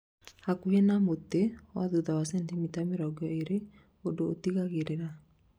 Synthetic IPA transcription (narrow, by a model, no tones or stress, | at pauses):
hakuhenamotewaðuðawasɛntemitameɾɔɡjɔeɾe | odoːtiɣaɣeɾeɾa